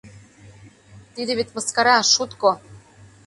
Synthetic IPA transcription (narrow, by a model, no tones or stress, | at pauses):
t̪id̪ĕβet̪ʲmɤ̆skɑɾɑʃut̪ko